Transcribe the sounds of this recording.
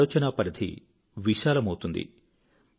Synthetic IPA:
ɔːt͡ʃɐnaːpɐɾɐd̪ʰʱḭ | ʋiʃaːlɐmɐwt̪und̪ḭ

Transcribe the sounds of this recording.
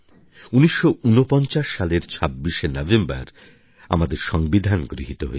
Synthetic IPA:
uniʃːounopɔnt͡ɕaʃːaleɾt͡ɕʰabːiʃenɔvemba̰ɾ | a̰mad̪eɾʃɔŋbid̪ʱanɡɾiɦit̪oɦo̰e

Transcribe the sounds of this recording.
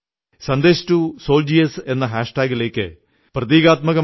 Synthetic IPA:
sɐnd̪eːɕtusoːld͡ʑiese̞nːɐɦaːʂʈaːɡile̞ːkʲːɨ̰ | prɐðiːɣaːt̪mɐɣɐ

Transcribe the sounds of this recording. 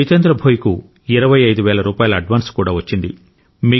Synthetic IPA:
it̪ɐnd̪ɾɐbʱoːjiku | iɾɐʋɐjɐjd̪uʋɛːlɐɾuːpaːjɐlɐɐɖʋaːnskuːɽaːʋɐt͡ʃːind̪i | miː

